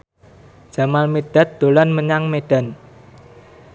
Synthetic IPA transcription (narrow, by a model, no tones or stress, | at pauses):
ʒ̥a̤malmed̥a̤t̪̚d̪̥o̤lanməɲaŋmeɖ̥a̤n